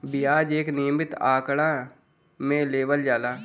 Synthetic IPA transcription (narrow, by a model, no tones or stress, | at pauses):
bɪjaːd͡ʒeːknɪjəmɪt̪aːkɽa | mẽleːʋəld͡ʒaːlaː